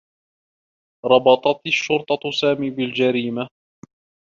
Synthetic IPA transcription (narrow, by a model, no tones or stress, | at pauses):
ɾˤɑbɑt̪ˤɑt̪ʃːʊɾt̪ˤɑsaːmiːbɪld͡ʒaɾiːma